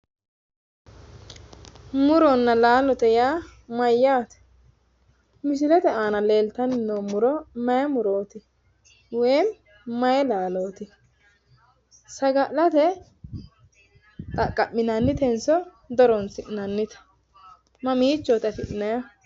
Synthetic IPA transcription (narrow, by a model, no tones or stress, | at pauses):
mʊɾɔnːɐlaːlɔt̪ɛjaːmɐjːaːt̪ɛ̥ | mɪs̬ɪlɛt̪ɛaːnɐle̞ːlt̪ɐnɪnːoːmʊɾɔmɐjɐmʊɾoːt̪ɪ | wɛjm | mɐjɛlaːloːt̪ɪ | sɐɡɐlɐt̪ɛ | t̪ʼɐkʼːɐmːɪnanːɪt̪ɛnsɔ | d̪ɔɾɔnsɪnɐnːɪt̪ɐ̥ | mɐmiːt͡ʃːoːt̪ɐfɪʔɪnɐjɐ